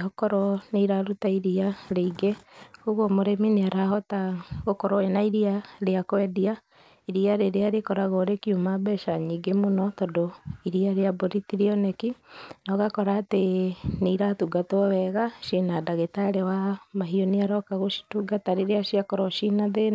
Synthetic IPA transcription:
ɦɔkɔɾɔneiɾaɾutaiɾiaɾeiɡeɣoɣomoɾemineaɾaɦɔtaɣokɔɾɔenaiɾiaɾeakwɛdia | iɾiaɾeɾeaɾekɔɾaɣoɾekiumabɛʃaɲiːɡemonɔtɔdoiɾiaɾeaboɾitiɾiɔnekinɔɣakɔɾaːteneiɾatuɡatɔwɛɣaʃinadaɣetaɾewamaɦioneaɾɔkaɣoʃi̥tuɡataɾeɾeaʃiakɔɾɔʃinaðe

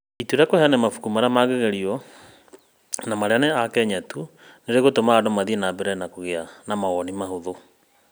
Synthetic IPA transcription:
ituɾjakohɛanɛmafu̥kumaɾamaɣeɣɛɾiɔ | namaɾeanɛakɛɲatu | neɾeɣotomaadomaðienaːbɛɾɛnakoɣeanamaɔnimahoðo

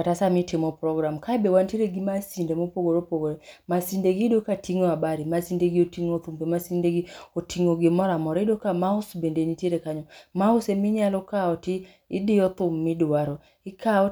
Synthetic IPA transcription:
atasamitɪmɔpɾɔɡɾamkaɛbewantiɾeɡimasindemopoɡoɾopoɡoɾemasindeɡidokatiŋɔabaɾimasindeɡiotiŋot̪umpemasindeɡiotiŋoɡɪmɔɾamɔɾɛidokamaʊsbendenitjeɾekaɲɔmaʊsemɪɲalɔkaɔtɪː | dɪɔt̪ʊmːɪdwaɾɔ | ɪkʰaɔ

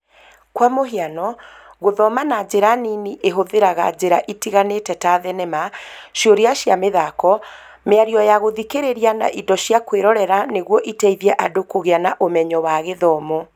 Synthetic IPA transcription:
kwamoɦianɔɣoðɔmanad͡ʑeɾaniniʔeɦoðeɾaɣa̰d͡ʑeɾaʔitiɣanetɛtaːðɛnɛmaʃjoɾeaʃjameðakɔ | meaɾiɔjaɣoðikeɾeɾiana̰ʔidɔʃjakweɾɔɾɛɾaneɣwɔʔitɛiðiɛʔadokoɣeanaʔomɛɲɔwaɣeðɔːmɔ

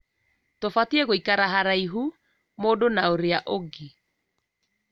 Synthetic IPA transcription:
tofatiɛɣoikaɾaɦaɾaiɦu | moːdonaoɾeaʔoɡe

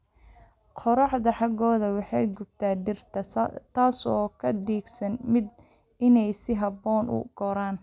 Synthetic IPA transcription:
qʰɔɾɑħd̪ɐħɑɡɔːðɐwɑħɑjɡʊb̚t̪ʰaːd̪ɪrt̪ʰɐt̪ʰaːsɔːkʰɐd̪iːɡsɐnmɪd̪̚ | ɪnɛjsɪɦɑbɔːnʔʊ̰ɡ̥ɔɾaːn

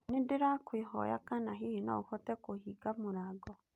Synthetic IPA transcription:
nedeɾakweɦɔ̰ja̰kanaɦihena̰uhɔtɛkohiɡamoɾaɡɔ

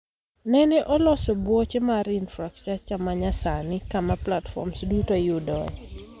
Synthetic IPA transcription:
nɛnɛʔɔlɔsɔbwɔt͡ʃemaɾinfɾakt͡ʃat͡ʃamaɲasanɪkamaplatfɔ̰msdutojudɔɛ

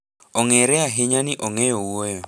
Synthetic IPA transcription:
oŋɛɾɛaɦɪɲanɪʔoŋɛjowojo

